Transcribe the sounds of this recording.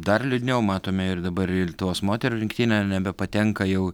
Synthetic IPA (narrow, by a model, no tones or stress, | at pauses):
d̪ɐrlʲʊd̪ʲnʲɛʊmɑːt̪oːmʲɛɪrd̪ɐbɐɾɪt̪oːsmoːt̪ʲɛɾuɾʲɪŋkt̪ʲiːnʲɛnʲɛbʲɛpɐt̪ʲɛŋkɐjɛʊ